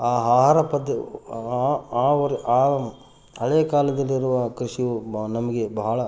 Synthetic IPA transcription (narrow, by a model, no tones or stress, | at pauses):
aːɦaːɦaːɾɐpɐd̪ːɐ | aːʋɐɾaː | hɐɭejɐkaːlɐd̪ɐlːiɾuʋɐkɾiʂiʋunɐmɐɡe̞bɐɦɐɭɐ